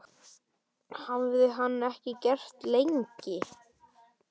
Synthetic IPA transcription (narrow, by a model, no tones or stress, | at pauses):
havvɪɾðɪɦanːɛhcɪcɛr̥t̪lejɲcɪ